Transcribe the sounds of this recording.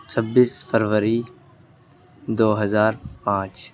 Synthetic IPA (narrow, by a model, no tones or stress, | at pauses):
t͡ʃʰɐbːiːsfəɾʋəɾi | d̪oːɦɐzaːɾpãːt͡ʃ